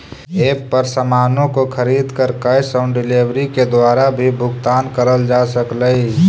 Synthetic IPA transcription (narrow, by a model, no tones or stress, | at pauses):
eːppəɾsəmaːnõkokʰəɾiːd̪kəɾkəjsə̃ʊ̃ɳɖɪleːʋɾiked̪waːɾabʱibʱʊɡt̪aːnkəɾəld͡ʒaːsəkləi